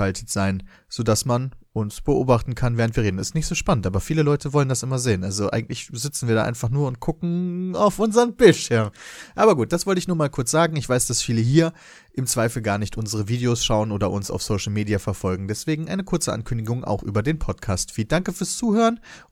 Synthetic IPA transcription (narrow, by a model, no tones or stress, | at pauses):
altʰətz̥aɪn | z̥oːdasmanʔʊnsb̥əʔo̰ːbaχtn̩kʰanvɛːʁəntv̥iːɐeːdn̩ɪ̰stnɪçtz̥oːʃpanəntaːbɐfiːləlɔʏtʰəvɔləndasʔɪmɐzeːənʔalzoʔa̰ɪɡŋ̩tlɪçzɪt͡sn̩viːɐɾaʔa̰ɪnfaχnuːɐʊnt̚ɡ̥ʊkŋ̩a̰ʊfʔʊnzəʁənbɪltʃɪɐmʔaːbɐɡuːt̚d̥asv̥ɔltəɪçnuːɐmaːlkʰʊɐt͡sz̥aːɡŋ̩ɪçv̥aɪsd̥asfiːləɦiːɐ | ʔɪmt͡sv̥aɪfl̩ɡaːɐnɪçtʔʊnzəʁ̞əviːdeosʃaʊənʔoːdɐʔʊnsa̰ʊfsoʊʃl̩meːdiafɛɐfɔlɡŋ̩dɛsv̥eːɡŋ̩ʔa̰ɪnəkʰʊɐt͡səʔa̰nkʰʏndɪɡʊŋʔa̰ʊxʔy̰ːbɐdeːnpʰɔtkʰaːstfiːt̚d̥aŋkəfyːɐst͡suːhøːʁən